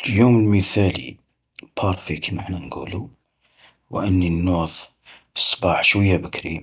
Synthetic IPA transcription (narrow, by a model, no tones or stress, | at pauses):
ljuməlməθælḭ | pʰɑɾˤfikʰinəħnænɡṵlu | wʔənːinːuðˤ | sˤːbɑħʃwəjːæbəkɾi